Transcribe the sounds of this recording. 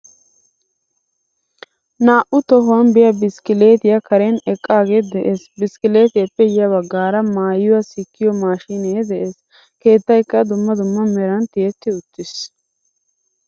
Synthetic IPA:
naːʔʊt̪ɔɦʊwɐnbɪjɐbɪskɪleːt̪ɪjɐkɐɾenɛkʼːaːɡeːd̪ɛʔesbɪskɪleːt̪ɪjɐpːɛjɐwɐɡːaːɾɐmaːjʊwɐsɪkʰːɪjɔmaːʃineːd̪ɛʔeːs | ke̞ːt̪ːɐjkːɐd̪ʊmːɐd̪ʊmːɐmɛɾɐnt̪ɪjɛt̪ːɪʊt̪ːɪs

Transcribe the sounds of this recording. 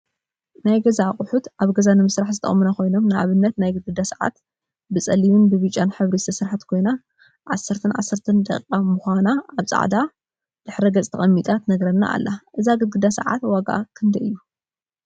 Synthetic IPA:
najɡɐzaχʼʊħut̪ʔaβɡɐzanɨmɨsɾaħzɨt̪ʰɐ̰χʼmɨnako̞jno̞mnɨʔa̰βɨnːɐt̪najɡɨɡɨd̪asaʕa̰t̪ | bɨt͡sʼɐliβɨnbɨβit͡ʃʼːanħɨβɾist̪ʰɐsɨɾħat̪kʰo̞jna | ʕa̰sːɐɾt̪ʰɨnʕa̰sːɐɾt̪ʰɨnd̪ɐ̰kʼːamuxʷanaaβsʼa̰ʕd̪a | d̪̥ɨħɾɐɡɐt͡sʼt̪ʰɐχʼɐmːit̪ʼat̪nɐɡɾɐnːa̰ʔa̰lːaʔɨzaɡɨɡɨd̪asɐ̰ʕa̰t̪waɡa̰kʰɨnd̪ɐʔɨjːu

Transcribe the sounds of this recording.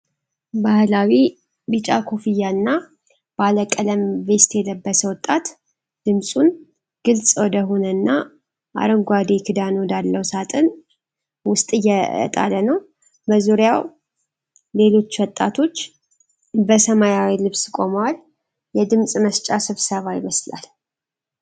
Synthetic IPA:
bahlawi | bɨt͡ʃʼakʰo̞fɨjːanːa | baləkʼːələmve̞st̪jɛləbːəsəwɔt̪ʼːat̪ | d̪̥ɨmsʼun | ɡ̥ɨlsʼwɔd̪əɦo̞nənːa | ʔa̰ɾəmɡʷad̪ekʰɨd̪anwd̪alːəwsat̪ʰʼɨn | wʊst̪ʼɨjːɛə̰t̪ʼa̰lənəw | bəzuɾjaw | le̞lo̞t͡ʃːwɔt̪ʼːat̪ʰo̞t͡ʃː | bəsəmajawilɨβskʼo̞mwal | jɛd̪ɨmsʼməst͡ʃʼasɨβsəβajɪməsla̰l

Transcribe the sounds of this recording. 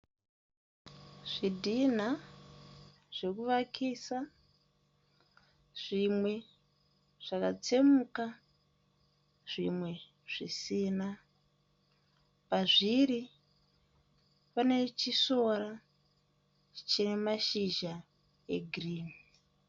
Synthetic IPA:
ʐ̥idʱin̤a | ʐ̥ekuʋakʰisa | ʐ̥imwe̞ | ʐ̥akat͡semuka | ʐ̥imwe̞ | ʐ̥isiːna | paʐiri | pane̞t͡ʃiso̞ra | t͡ʃinemaʃiʒa | e̞̰ɡʱriːmi

